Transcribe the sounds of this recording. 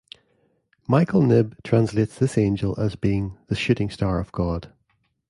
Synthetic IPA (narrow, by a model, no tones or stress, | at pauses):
maɪkʰəl̩ˠnɪb̚tʰɹ̥ãnslˠetsðɪsẽnd͡ʒəlˠəzbiɪ̃ŋðəʃʉʔɪ̃ŋstaɹəv̥ɡɔd̥